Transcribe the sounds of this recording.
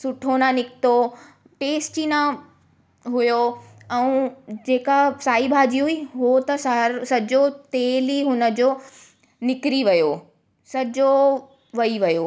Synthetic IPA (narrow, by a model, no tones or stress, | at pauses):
sʊʈʰonãnɪkt̪o | ʈeːsʈinã | ɦʊjoɛũd͡ʑeːkasaːibʱaːd͡ʑiɦʊiɦuot̪ɐsaɾsɐd͡ʑot̪eːliɦʊnə̆d͡ʑoː | nɪkɾiʋɐjo | sɐd͡ʑo | ʋɐiʋɐjoː